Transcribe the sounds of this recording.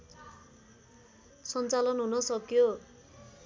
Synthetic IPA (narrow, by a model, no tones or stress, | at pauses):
sʌnt͡salʌnɦunʌsʌkjo